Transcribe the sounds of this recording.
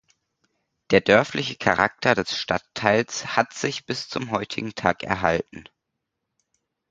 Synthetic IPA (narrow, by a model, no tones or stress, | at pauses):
d̥eːɐdœɐflɪçəkʰaʁa̰k̚tʰɐdɛsʃtatʰːaɪlshatz̥ɪçb̥ɪst͡sʊmɦɔʏtʰɪ̰ɡŋ̩tʰaːkʔɛ̰ɐɦaltn̩